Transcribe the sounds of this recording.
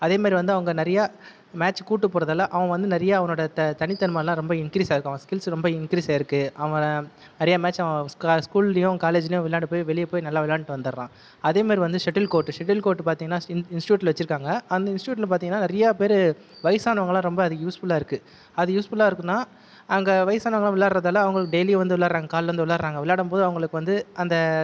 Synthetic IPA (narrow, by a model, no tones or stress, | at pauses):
ɐðeːmaːdɾiʋɐnd̪ɯɐʋɐŋɡɐnɐɾɐja | maːt͡ʃkuːʈːɯpːoːɾɐðɐlːɐʔɐʋɐ̃ʋɐnd̪ɯnɛɾɐjaɐʋɐŋoːɽɐt̪ɐt̪ɐnɪt̪ːɐnɯmalãːɾɔmbɐɪnkɪɾiːsaːɪɾɯkːaːɐɐskɪlsɾɔmbɐɪnkɪɾiːsaːɪɾɯkːɯʔɐʋɐ̃ | nɛɾɐjaːmaːt͡ʃːɐʋɐ̃kːskuːllɐjʊ̃kaːleːd͡ʒɪlɐjʊ̃ʋɪlːaːɽɯpoːjʋɛɭɪjɐpoːjnɐlːaːʋɪlːaːnʈːɯʋɐnd̪ɯɾɾãː | ɐðeːmaːd̪ɾiʋɐnd̪ɯʂɛʈɪlkoːʈːɯʂɛʈɪlkoːʈːɯpaːɾt̪iːŋɡɐnːaːɪnsʈjuːʈ̬ɪlɐʋɐt͡ʃːɪɾɯkːaːŋɡɐɐnd̪ɐɪnsʈjuːʈ̬ːɪlɐpaːɾt̪iːŋɡɐnːaːnɪɾɐjaːpeːɾ | ʋɐɪsaːnɐʋɐŋɡɐɭãːɾɔmbɐɐðɯjuːsfʊlaːɪɾɯkːɯ | ɐðɯjuːsfʊlaːɪɾɯkːɯnːaː | ɐŋɡɐʋɐɪsaːnɐʋɐŋɐɭãʋɪɭːaːɽɾɐðaːlɐ̃ɐʋɐŋɡɐɭɯkːɯɖɛjliʋɐnd̪ɯʋɪlːaːɾɾaːŋɡɐkaːlʋɐnd̪ɯʋɪɭːaːɾɾaːŋɡɐʋɪɭːaːɽɐmpoːðɯɐʋɐŋɡɐɭɯkːɯʋɐnd̪ɯɐnd̪ɐ